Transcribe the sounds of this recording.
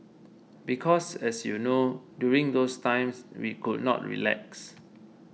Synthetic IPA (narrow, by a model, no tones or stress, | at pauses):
bikʰɔsɛsjunodjuɹĩŋd̪ostãɪ̃mswḭkʰud̚nɔ̰t̚ɹḭlɛ̰ks